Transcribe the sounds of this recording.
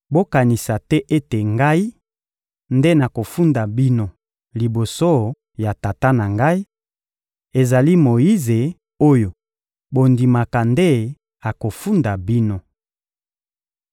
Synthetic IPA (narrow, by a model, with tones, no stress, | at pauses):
bo˦ka˨ni˨sa˨tɛ˦ʔe˦te˨ŋɡa˦i˦ | nde˦na˨ko˨fu˦nda˨bi˦no˦ | li˨bo˨so˦ | ja˨ta˨ta˦na˨ŋɡa˦i˦ | e˨za˨li˦mo˨i˦ze˨ | o˦jo˨ | bo˨ndi˨ma˨ka˨nde˦ | a˨ko˨fu˦nda˨bi˦no˦